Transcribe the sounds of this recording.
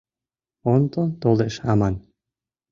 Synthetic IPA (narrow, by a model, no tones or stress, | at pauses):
ont̪ot̪olˠeʃaman